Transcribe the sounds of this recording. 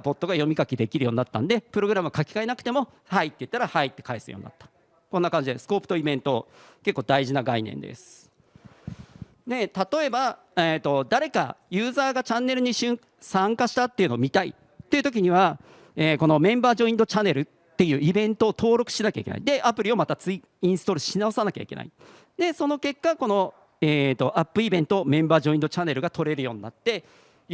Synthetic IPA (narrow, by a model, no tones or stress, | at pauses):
po̞t̪ːo̞ɡajo̞mʲikakʲid̪e̞kʲiɾɯ̟jo̞ːɲ̟inat̪ːa̰nd̪e̞pɯ̟ɾo̞ɡɯ̟ɾamɯ̟kakʲi̥kaenakɯ̟̥e̞mo̞ | hait̪ːejɯ̟t̪ːaɾahait̪ːe̞kaesɨ̰jo̰ɲ̟ḭna̰t̪ːḁ | ko̞nːakãɲ̟d͡ʑid̪esɨ̥ko̞ːpɯ̥t̪o̞ibẽ̞nt̪o̞ | ke̞kːoːd̪aiʑinaɡainḛ̃nd̪ḛsɨ̥ | d̪e̞t̪at̪o̞e̞ba | et̪ːo̞d̪aɾe̞ka̰jɨ̟ːzaːɡat͡ɕãnːe̞ɾɯ̟ɲ̟iɕɨ̃ | sãŋkaɕi̥t̪at̪ːeiɯ̟no̞ːmʲit̪aḭ | t̪ːe̞iɯ̟t̪o̞k̬ʲiɲ̟iβ̞a | eːko̞no̞mẽ̞mbaːʑo̞ĩnd̪o̞t͡ɕanːe̞ɾɯ̟ | t̪ːe̞jɯ̟ːibẽ̞nt̪o̞ːt̪o̞ːɾo̞kɯ̟̥ɕinakʲa̰ike̞na̰id̪e̞ʔapɯ̟ɾʲio̞mat̪at͡sɨi | ĩɰ̃sɨ̥t̪o̞ɾɯ̟ɕinaosanakʲa̰ike̞na̰i | d̪e̞so̞no̞ke̞kːako̞no̞ | eːt̪ːo̞ʔapːɯ̟ibẽ̞nt̪o̞ːmẽ̞mbaːʑoĩnd̪o̞t͡ɕanːe̞ɾɯ̟ɡat̪o̞ɾe̞ɾɯ̟jo̞ːɲ̟ina̰t̪ːe̞